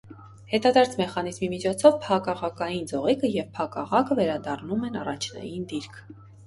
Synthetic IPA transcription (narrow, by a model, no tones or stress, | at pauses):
hɛt̪ɑd̪ɑɾt͡sʰmɛχɑnizmimit͡ʃʰɔt͡sʰɔvpʰɑkɑʁɑkɑjind͡zɔʁikəjɛvpʰɑkɑʁɑkəvɛɾɑd̪ɑrnumɛnɑrɑt͡ʃʰnɑ̰jind̪iɾkʰ